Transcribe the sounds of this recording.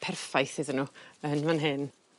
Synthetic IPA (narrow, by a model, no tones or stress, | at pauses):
pʰɛrfajθiðɪnuənvanɦɪn